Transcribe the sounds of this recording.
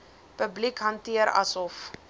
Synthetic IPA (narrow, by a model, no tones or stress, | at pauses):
pəblikɦɐntiəɾɐ̰sɔf